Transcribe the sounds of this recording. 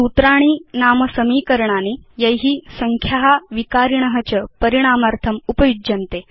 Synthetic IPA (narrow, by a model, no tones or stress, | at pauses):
ut̪ɾaːɽ̃iːnaːmɐsɐmiːkəɾɳ̃aːnijɐjɦiːsɐŋkʰjaɦaʋikaːɾiɳ̃ɐɦɐt͡ɕəpəɾiɽ̃aːmaɾt̪ʰɐmupɐjud͡ʒɐnt̪e